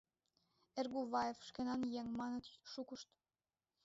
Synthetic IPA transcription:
erɣuβɑjefʃkenɑnjeŋmɑnə̆t̪ʃukəʃt̪

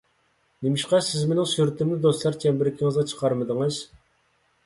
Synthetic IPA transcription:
nemɪʃqɑsɪzmenɪŋsyɾɪt̪ʰɪmlɪd̪ost̪lˠɑɾt͡ʃʰɛmbɪɾɪkʲʰiŋɨzʁɑt͡ʃʰə̥qʰɑɾmɨd̪ɨŋɨz̥

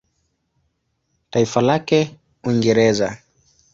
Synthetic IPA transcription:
taifalakɛ | wiŋɡɛɾɛza

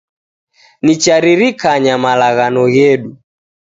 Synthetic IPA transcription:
nit͡ʃaɾiɾikaɲamalaɣanɔɣɛɗu

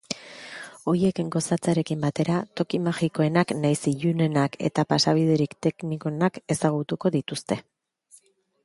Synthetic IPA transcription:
o̞ɾje̞kɡo̞sat͡saɾe̞kimbat̪e̞ɾat̪o̞kimaʝiko̞e̞naknajsiʎune̞nake̞̰t̪apasaβ̞iðe̞ɾikt̪e̞knikoenake̞saɣ̞ut̪uko̞ðit̪ust̪e̞

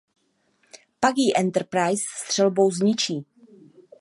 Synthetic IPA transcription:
paɡiːʔɛnt̪ɛɾpɾajssːt̪r̥ɛlbowzɲɪt͡ʃiː

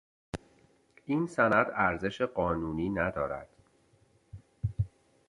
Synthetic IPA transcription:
ʔiːnsænæd̪æɾze̞ʃeɢɒːnuːniːnæd̪ɒːɾæ̰d̪̥

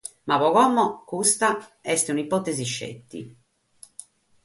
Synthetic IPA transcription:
maβɔɣɔmːɔkust̪aɛst̪eunipɔt̪ːeziʃːḛt̪ːḭ

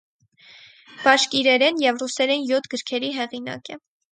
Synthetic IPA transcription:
b̥ɑʃkiɾɛɾɛnjɛvrusɛɾɛnjɔt̪ʰɡəɾkʰɛɾiɦɛʁinɑ̰kɛ

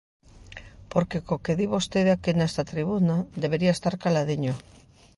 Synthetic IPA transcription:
poɾkekokeðiβost̪eðakenest̪at̪ɾiβ̞unad̪eβ̞eɾiaest̪aɾkalað̞iɲo

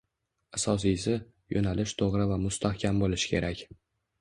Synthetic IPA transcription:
asɒs̬ijsɪ | jʔonalɪʃt̪ʰoʁɾɪvamʊst̪ʰahkʲʰambolɪʃɪ̥kʲʰe̞̰ɾakʲ

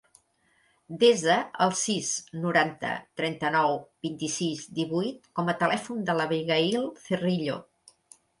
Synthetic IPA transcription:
d̪ezəəlˠsiznuɾant̪ə̰t̪ɾɛnt̪ənɔwbint̪isizd̪iβujt̪̚kɔmət̪əlɛfund̪ələβejɣəilˠθeriʎo

